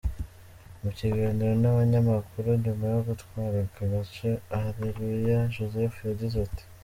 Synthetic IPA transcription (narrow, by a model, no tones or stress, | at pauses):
muciɡaːniɾo̞naβaɲamakuɾuɲumajoɡutkwaːɾakaβacoahaβiɾijaʒozefujaɟizati̥